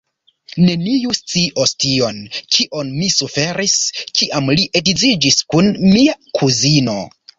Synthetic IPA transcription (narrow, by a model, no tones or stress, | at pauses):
ne̞nijust͡siʔo̞stio̞nkʰiʔonmisufe̞ɾiskiʔamliʔedizid͡ʒiskunmiakʰuzino̞̰